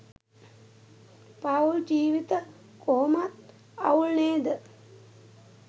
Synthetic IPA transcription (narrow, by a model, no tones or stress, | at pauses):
pauld͡ʒiːʋit̪ə | koːmat̪ | a̰uɭneːd̪ə